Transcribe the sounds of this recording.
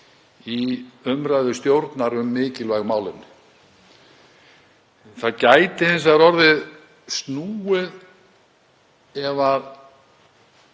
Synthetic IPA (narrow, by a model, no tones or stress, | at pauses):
iʏmɾajðʏst̪jowɾt̪naɾʏmːɪːcɪlvajɣmaːwlɪn | θaðcaːjt̪ɪhɛnsaɾɔɾðɪð | st̪nuːɪð | ɛvað